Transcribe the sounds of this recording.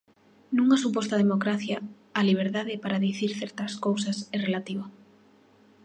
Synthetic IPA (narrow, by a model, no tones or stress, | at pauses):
nũŋasupɔst̪aðemokɾaθjaː | liβ̞eɾðaðɪpaɾaðiθiɾθɛɾt̪ɐskowsɐsɛrelat̪iβa